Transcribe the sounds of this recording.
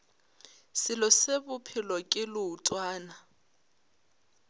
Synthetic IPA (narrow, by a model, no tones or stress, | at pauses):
sɪlɔsebʊpʰɪlɔkʼɪlʊːtʼwaːna